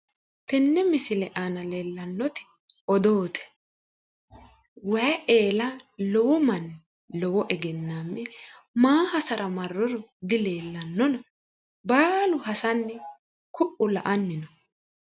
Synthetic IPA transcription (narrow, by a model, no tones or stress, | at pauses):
t̪ɛnːɛmɪsɪlɛʔanɐleːlːɐnːɔt̪ɪ̥ | ɔd̪oːt̪ʰɛ̥ | wɐjɐʔe̞ːlɐlɔwɔmɐn | lɔwɔʔɛɡɛnːaːmːɛ | maːhɐsɐɾɐmɐrːɔɾɔd̪ɪle̞ːlːɐnːɔnɐ | baːlʊhɐsɐnːɛ | kʊʔːʊlɐʔɐnːɪnɔ